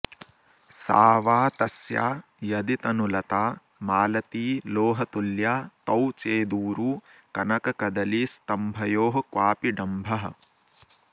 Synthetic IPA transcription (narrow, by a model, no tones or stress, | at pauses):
sa̰ːʋaːt̪ɐsja̰ː | jɐd̪it̪ɐnulɐt̪aː | maːlɐt̪iːloːɦɐt̪uljaːt̪ɐwt͡ʃeːd̪uːɾuːkɐnɐkɐkɐd̪ɐlist̪ɐmbʱɐjoːɦɐkʋaːpiɖɐmbʱɐɦɐ̰̆